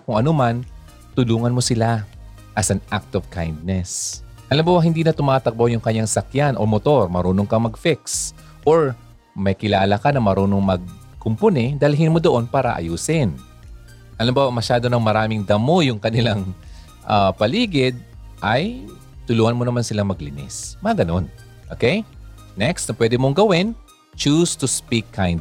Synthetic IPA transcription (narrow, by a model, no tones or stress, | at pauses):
kʊŋʔɐnoman | t̪ʊluːŋɐnmosɪla | ʔɐsɐnʔak̚t̪ovkajnd̪̚nɛs | hɐlɐmbawɐɦɪnd̪iːnɐt̪ʊmaːt̪ɐk̚bowjʊŋkɐɲjaŋsɐkjanʔo̞̰mot̪o̞ɾmɐɾuːnoŋkɐmɐɡfiks | ʔoɹ | mɐjkɪlaːlɐkɐnɐmɐɾuːnoŋmɐɡ̚ | kʊmponɛd̪ɐlɦɪnmod̪oʔo̞npaːɾɐ̰ʔɐ̰juːsɪn | ʔɐlɐmbamɐʃaːd̪onɐŋmɐɾaːmɪŋd̪ɐmo̞jʊŋkɐnɪlaŋ | ʔapɐliːɡɪd̪̚ʔɐj | t̪ʊluːhɐnmonɐmansɪlaŋmɐɡlɪnɛ̰smɐɐɡɐno̞n | ʔoːkɛj | nɛkst̪nɐpwɛd̪ɪmoŋɡɐwɪn | t͡ʃuːst̪ʊspikʰːajnd